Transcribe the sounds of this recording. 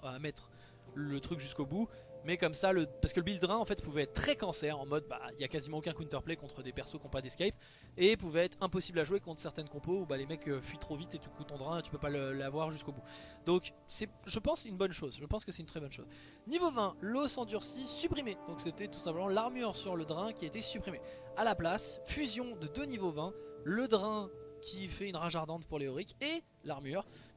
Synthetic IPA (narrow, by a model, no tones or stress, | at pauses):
amɛt̪χ | lət̪χykʒyskobumɛkɔmsaləpaʁskələbild̪ʁɛ̃ɑ̃fɛt̪puvɛɛt̪̚ːt̪ːχɛkɑ̃sɛʁɑ̃mɔd̪̚ba̰iljakazimɑ̃okɛ̃kwĩnt̪œʁplekɔ̃t̪χəd̪epɛʁsokɔ̃pɛd̪eskʲajp | epuvɛɛt̪χɛ̃pɔsiblaʒwekɔ̃t̪χsɛʁt̪ɛnkɔ̃poubalemɛkøfɥit̪χovit̪ed̪ykut̪ɔ̃d̪ʁɛ̃t̪y̥pøpaləlavwaʁʒyskobud̪ɔ̃k | sɛʒəpɑ̃synbɔnʃozʒəpɑ̃skəsɛt̪ynt̪χɛbɔnʃo̰z | nivovɛ̃losɑ̃d̪yʁsisypχimed̪̥ɔ̃kset̪ɛt̪u̥sɛ̃pləmɑ̃laʁmyʁsyʁləd̪ʁɛ̃kʲiaet̪esypχime | alaplasfyzjɔ̃d̪əd̪ønivovɛ̃ləd̪ʁɛ̃kʲʰifɛynʁaʒaʁd̪ɑ̃t̪puʁleɔʁike | laʁmyːʁ